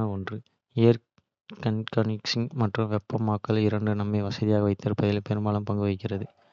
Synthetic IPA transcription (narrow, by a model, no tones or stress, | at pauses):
ɐɔndrɯ | ejɐɾ | kɐnkɐnɪksɪŋmɐʈrɯ̃ʋɛpːɐmːaːkːɐlɪɾɐɳɖɯnɐmːɐɪʋɐsɐðɪjaːɣɐʋɐɪt̪ːɐɾpɐðɪlpɛɾɯmbaːlɐmpɐŋɡɯʋɐɪkːɪrɐðɯ